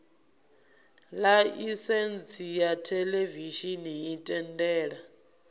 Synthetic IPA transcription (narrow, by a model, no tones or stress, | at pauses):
laisɛnt͡sʰijatʰɛleviʃiniːtʼɛndɛːɺa